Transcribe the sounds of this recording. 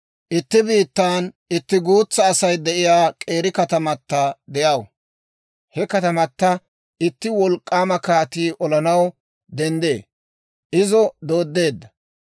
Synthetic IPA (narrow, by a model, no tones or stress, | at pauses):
ʔɪt̪ːɪbiːt̪ːaːn | ɪt̪ːɪɡuːt͡sːɐːsɐjd̪ɛʔɪjaːkʼe̞ːɾɪkɐt̪ɐmɐt̪ːɐd̪ɛjɐw | hɛkɐt̪ɐmɐt̪ːɐ | ʔɪt̪ːɪwɔlkʼːaːmɐkaːt̪iːʔɔlɐnɐw | d̪ɛnd̪e̞̰ː | ʔɪzɔd̪o̞ːd̪ːe̞ːd̪ːɐ